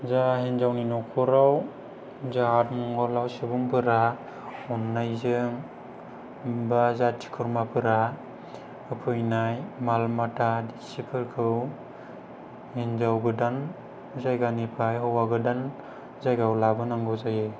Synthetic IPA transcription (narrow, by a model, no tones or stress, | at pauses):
zahinzawninɔkʰuɾaw | zatmɔŋɡɔlawsibuŋpʰɯɾa | ɔnːajzɯŋ | bazatʰːi̥kʰɯɾmapʰɯɾa | ɯpʰɯjnajmalmatʰadisipʰɯɾkʰɯw | hinzawɡɯdan | zajɡanipʰajɦɔwaɡɯdan | zajɡawlabɯnaŋɡɯzajɯ